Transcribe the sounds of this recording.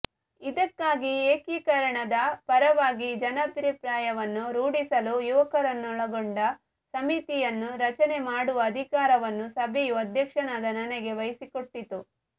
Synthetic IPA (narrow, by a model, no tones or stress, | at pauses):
id̪ɐkːaːɡieːkiːkɐɾɐɳɐd̪ɐpɐɾɐʋaːɡid͡ʒɐnɐpɐɾipɾaːjɐʋɐnːuɾuːɽisɐlujuʋɐkɐɾɐnːuɔɭɐɡoɳɖɐ | sɐmit̪ijɐnːuɾɐt͡ʃɐne̞maːɽuʋɐːd̪ʱikaːɾɐʋɐnːusɐbʱejuɐd̪ʱjɐkʂɐɳaːd̪ɐnɐnɛɡe̞ʋɐjisikoʈːit̪u